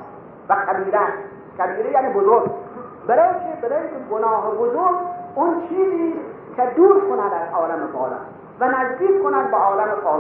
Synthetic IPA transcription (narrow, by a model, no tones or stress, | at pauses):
vækʰæbiːɾæ | qʰæbiːɾejaːnibozoɾɡ | beɾɔːjikʰebeɾɔːjiŋkʲʰeɡonɒːɦebozoɾɡʊnt͡ʃʰiːziːs | kʲʰed̪uːɾkʰonæd̪æzʔɒːlamebʰɒ̰ːla̰m | vænæzd̪iːkkʰːonæd̪̚beɒːlæmepʰɒː